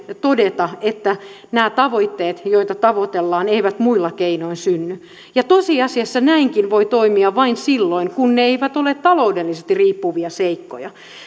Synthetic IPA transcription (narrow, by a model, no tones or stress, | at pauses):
t̪odet̪ɑet̪ːæ | næːt̪ɑʋoit̪ːeːt̪joit̪ɑt̪ɑʋot̪elːɑːneiʋæt̪muilːɑkeinoinsynːy | jɑt̪osiɑsiɑsːɑnæiŋkinʋoit̪oimiɑʋɑinsilːoiŋkunneeiʋæt̪olet̪tːɑloudelːisest̪iriːpːuʋiɑseikːo̰jɑ